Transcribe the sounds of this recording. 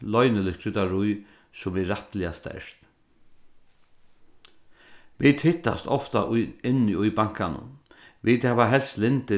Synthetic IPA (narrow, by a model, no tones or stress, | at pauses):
lɔjnɪlɪkʰɾʏt̪aɾʊj | sʊmɪːat̪lɪast̪ɛ̰ʂt̪ | ʋit̪hɪht̪ːa̰st̪ɔft̪a̰ʔʊɪnːɪʊjbaŋ̥kanʊ̰ʋit̪hɛːʋaɦɛlst̪lɪnt̪ɪ